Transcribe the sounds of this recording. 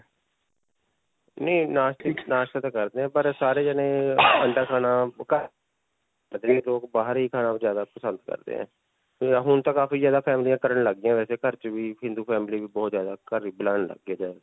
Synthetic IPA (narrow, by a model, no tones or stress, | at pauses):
neːnaːʃt̪naːʃt̪at̪aːkəɾd̪ẽːɛ̃ːpəɾsaːɾeːd͡ʒənẽːəɳɖaːkʰaːnaːkə | əd̪eːloːkbaːɦəɾiːkʰaːnaːpzjaːd̪aːpəsənd̪kə̰ɾd̪ḛːɦɛ̰̃ː | ɦʊnt̪ãːkaːfiːzjaːd̪aːpʰɛːmlijãːkəɾəɳləɡːɪjãːʋɛːseːkəɾt͡ʃʋiːɦɪ̃nd̪uːpʰɛːmliːʋiːbɔːt̪zjaːd̪aːkəɾiːbəlaːnlə̰ɡeːd̪ɛː